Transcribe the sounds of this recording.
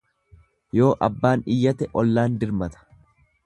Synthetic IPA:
jo̞ːʔɐbːaːnɪjːɐt̪ɛʔɔlːaːnd̪ɪɾmɐt̪ɐ̥

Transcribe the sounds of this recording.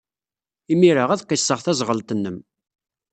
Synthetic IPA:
imiɾəʁæðqːisːəʁθæzʁəlt̪ənːəm

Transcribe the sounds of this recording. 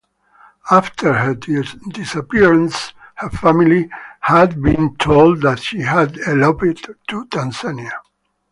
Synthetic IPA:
aft̪ʰəɹɦəd̪isapiɹə̃nshəfamilihæd̪̚bĩnt̪ʰold̪ðætʃihædɛlobɪdtːut̪ʰãnsania

